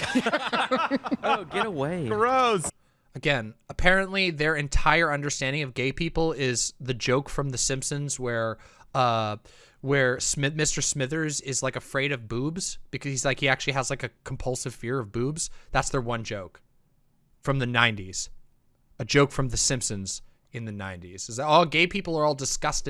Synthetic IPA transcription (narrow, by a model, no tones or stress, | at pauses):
oʊɡɛɾəweɪ̥ə˞oʊz̥ | ɨɡɛ̃nəpʰɛɹɨ̃nʔliðə˞ɨ̃ntʰaɪə˞ʌ̃ndə˞stæ̃ndɪ̃ŋʌvɡeɪpʰipl̩ˠɪzðɨd͡ʒoʊkfɹʌ̃mðɨsɪ̃mpsɨ̃nzwə˞ʌ | wə˞smɪmɪstə˞smɪðə˞zɪzlaɪkɨfɹeɪɾʌvbubz̥b̥ɨkʰʌz̥izlaɪkhiæk̚t͡ʃʉl̩ˠiəzlaɪkɨkʰm̩pʰʌlˠsɨv̥fɪɹʌvbʉbz̥ðætsðə˞wʌ̃nd͡ʒoʊk | fɹʌ̃mðɨnãɪ̃ntiz̥ | ɨd͡ʒoʊkfɹʌ̃mðɨsɪ̃mpsɨ̃nz̥ | ɨ̃nðɨnãɪ̃ntiz̥ɨzɔɡeɪpʰipl̩ˠə˞ɔlˠdɨskʌstɨ